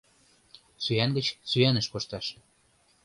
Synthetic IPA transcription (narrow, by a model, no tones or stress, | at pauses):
syænɡə̆t͡ɕsyænə̆ʃkoʃt̪ɑʃ